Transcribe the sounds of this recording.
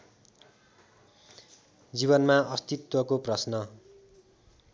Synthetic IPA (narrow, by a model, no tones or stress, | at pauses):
d͡ziβʌnmaʌst̪it̪wʌkoprʌsnʌ